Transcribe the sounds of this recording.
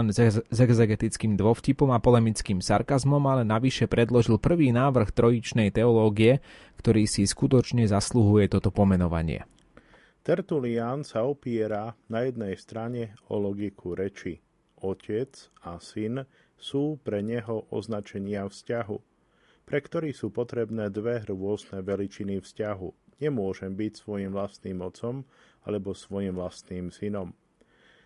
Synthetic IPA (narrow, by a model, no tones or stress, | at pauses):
nzɛɡzɛɡɛt̪it͡skiːmd̪ʋɔfcipɔmapɔlɛmit͡skiːmsaɾkazmɔmalɛnaʋiʃɛpɾɛd̪lɔʒilpr̩ʋiːnaːʋr̩xt̪ɾɔjit͡ʃnɛjt̪ɛɔlɔːɡiɛ | kt̪ɔɾiːsiskut̪ɔt͡ʃɲɛzasluɦujɛt̪ɔt̪ɔpɔmɛnɔʋa̰ɲɪɛ̰ | t̪ɛɾt̪uliansaɔpiɛɾanajɛd̪̚nɛjst̪ɾaɲɛɔ̰lɔɡikʰuɾɛt͡ʃi | ɔcʰɛt͡sasin | suːpɾɛɲɛɦɔʔɔ̰znat͡ʃɛɲɪafscaɦṵ | pɾɛkt̪ɔɾiːsuːpɔt̪ɾɛbnɛːd̪ʋɛɾʊɔznɛʋɛlit͡ʃinifscaɦuɲɛmʊɔʒɛmbicsʋɔjimʋlast̪niːmɔt͡sɔm | a̰lɛbɔsʋɔjimʋlast̪niːmsinɔm